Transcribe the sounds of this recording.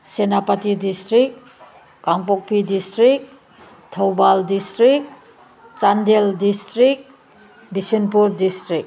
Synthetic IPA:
senapatidistɾik̚ | kaŋpok̚pʰidistɾik̚ | tʰawbaldistɾik̚ | t͡ʃandeldistɾik̚ | bisinpuɾdistɾik̚

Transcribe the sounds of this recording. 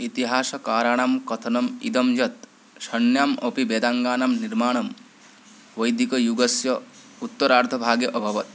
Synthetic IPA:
it̪iɦaːsɐkaːɾaːɳ̃aːmkɐt̪ʰɐnɐmid̪ɐmd͡ʒɐt̪ | ʃɐnjaːmɐpibeːd̪aŋɡaːnamniɾmaːɽ̃ɐm | ʋɐjd̪ikɐjuɡɐsjɐ | ut̪ːɐɾaːɾt̪ʰɐbʱaːɡjɐʔɐbʱɐʋɐt̪̚

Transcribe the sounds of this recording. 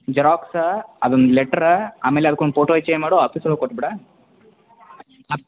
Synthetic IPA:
d͡ʒɐɾaːksɐd̪ond̪ileʈːɐɾa̰ːmeːleɐd̪ɐkːoɳɖpʰoːʈoːit͡ʃːejmaːɽoaːpiːslokoʈːɐbiɽa

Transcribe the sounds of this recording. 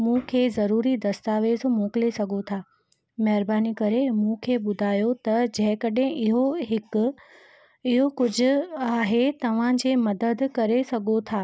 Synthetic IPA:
mũːkʰeːzɐɾuːɾid̪ɐst̪aːʋeːzmoːklesɐɡʱot̪ʰaː | mɐɦɾbaːnikɐɾemũkʰeːɓʊd̪ʱaːjot̪ɐd͡ʑɐ̃ɦɪ̃kɐɗẽʔɪɦoɦɪk | ɪɦokʊd͡ʑʱʊ̆aːɦet̪ɐʋ̤ãd͡ʑeːmɐd̪əd̪kɐɾesɐɡʱot̪ʰaː

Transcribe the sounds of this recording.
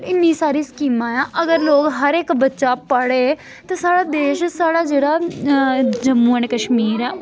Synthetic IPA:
ɪnːiːsaːɾiːskiːmãːãːʔəɡəɾloːkɦəɾekbətːʃaːpəɽeː | t̪ãːsaːɽaːd̪eːʃsaːɽaːd͡ʒeːɽaː | d͡ʒəmːuːənkəʃmiːɾɛː

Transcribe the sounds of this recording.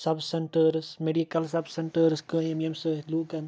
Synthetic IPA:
sɐbseɳʈəɾsmeɖikɐlsɐbsɐɳʈəɾskəememsəluːkɐn

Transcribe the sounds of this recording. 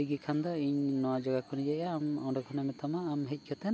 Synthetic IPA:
iɡikʰand̪ɔiɲnɔwad͡ʒɔɡakʰɔnid͡ʒɛʔjaːmɔɖɔkʰɔnamɛt̪ʰamaːmɦɛc̚ˀkʰɛt̪ɛn

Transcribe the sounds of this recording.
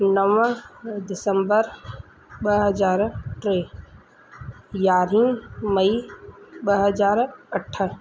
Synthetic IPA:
nəʋə̃d̪ɪsəmbəɾ | bəɦəd͡ʒaːɾʈɾeː | jaːɾĩmɐibəɦəd͡ʒaːɾəʈʰːə

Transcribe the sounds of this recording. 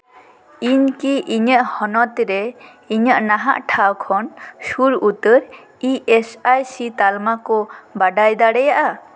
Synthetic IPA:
iɲkiʔiɲəʔhɔnɔt̪ɾɛ | iɲəʔnaɦa̰ʔʈʰawkʰɔnsuɾut̪əɾ | iʔɛsajsit̪almakɔbaɖajd̪aɽɛjaʔa

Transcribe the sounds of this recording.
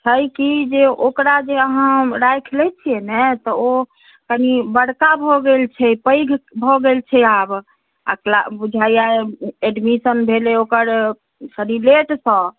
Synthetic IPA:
t͡ʃʰəjkid͡ʒeʔokɾad͡ʒeəɦãɾajkʰlɛt͡ʃʰiɛnɛt̪ɔo | kənibəɽkabʱɔɡelt͡ʃʰɛpəjɡʱbʱɔɡelt͡ʃʰɛab | a̰klabud͡ʒʱajaeeɖmisənbʱeleokəɾ | sɾileʈsə̃

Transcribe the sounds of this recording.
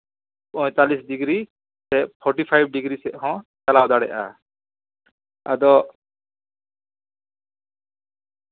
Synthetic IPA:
ɔ̃jt̪alisɖiɡɾi | sɛʔpʰɔɾʈipʰajb̚ɖiɡɾisɛʔhɔ̃t͡ʃalawd̪aɽɛ̰ʔa̰ | a̰d̪ɔ

